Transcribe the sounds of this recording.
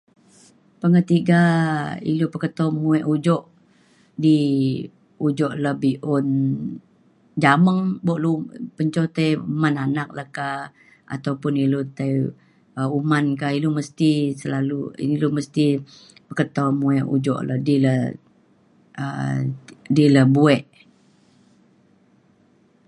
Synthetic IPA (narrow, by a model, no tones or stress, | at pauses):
pəŋət̪iɡaḭlupəkət̪ɔmuɛʔud͡ʒɔʔ | di | ud͡ʒɔʔləhbiʔɔn | d͡ʒaməŋbɔʔlupəɲt͡ʃɔt̪ajumananak̚lahka | a̰t̪awpʊnilot̪aj | əumankailuməst̪isəlaluḭniloməst̪i | bəkət̪ɔmuɛʔṵd͡ʒɔ̰ʔladilə | ə | diləbuɛʔ